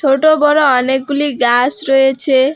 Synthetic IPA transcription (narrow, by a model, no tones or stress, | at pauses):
t͡ʃʰoʈobɔɾoɔnek̚ɡuliɡasɾɔet͡ʃʰe